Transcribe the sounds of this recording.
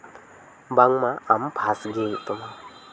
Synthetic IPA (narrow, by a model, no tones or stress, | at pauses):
baŋmaampʰasɡet̪əma